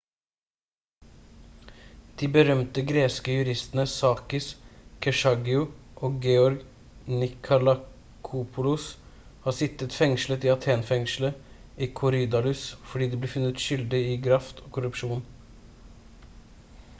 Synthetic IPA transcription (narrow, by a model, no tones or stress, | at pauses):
d̪̥iːbəɾœmt̪əɡɾeːskəjʉɾɪst̪ənəsɑːkɪskʰɛʂɑɡɪʊʔoːɡɛɔɾɡ | nɪkʰʊlɑ | kʰuːpʰʊlʊs | hɑːsɪt̪ət̪fɛŋʃlət̪iːɑt̪ʰeːnfɛŋʂl̩ə | iːkʰʊɾid̪ɑlʉsfɔɖiːd̪iːbleːfʉnət̪ʃʏld̪ɪiːɡɾɑft̪ʰoːkʰʊɾʉpʂuːn